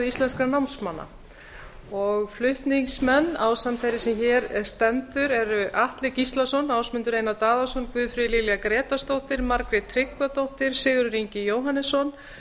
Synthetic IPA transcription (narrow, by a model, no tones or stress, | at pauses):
ist̪lɛnskɾanawnsmanːa̰ | ɔɣflʏht̪niŋksmɛnːawsamt̪ʰejɾɪsɛmçɛːɾst̪ɛnt̪ʏɾɛɾʏʔaht̪lɪcist̪lasɔnaːwsmʏnt̪ʏɾeːjnat̪aːðasɔnkvʏːðfɾɪlɪlɛakɾɛːt̪ast̪owht̪ɪɾmaɾkɾɪt̪ʰːɾɪkvat̪owht̪ɪɾ̥sɪːɣʏɾʏɾiɲcɪjoːwɦanːɪsːɔn